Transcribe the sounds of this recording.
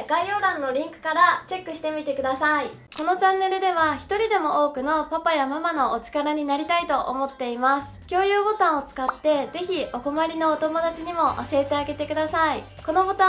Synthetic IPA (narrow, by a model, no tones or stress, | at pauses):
ɡ̥aio̞ːɾãnːo̞ɾʲĩŋkɯ̟̥kaɾat͡ɕe̞kːɯ̟ɕi̥t̪e̞mʲit̪e̞kɯ̟d̪asai | ko̞no̞t͡ɕãnːe̞ɾɯ̟d̪e̞β̞açi̥t̪o̞ɾʲid̪e̞mo̞ʔo̞ːkɯ̟no̞papajamamano̞ʔot͡ɕi̥kaɾaɲ̟inaɾʲit̪ait̪o̞ʔo̰mo̞t̪ːe̞imasɨ̥kʲo̞ːjɯ̟ːbo̞t̪ãɰ̃o̞t͡sɨ̥kat̪ːe̞ze̞çio̞ko̞maɾʲino̞ːt̪o̞mo̞d̪at͡ɕiɲ̟imo̞ʔo̰ɕiet̪e̞aɡe̞t̪e̞kɯ̟d̪asai | ko̞no̞bo̞t̪ã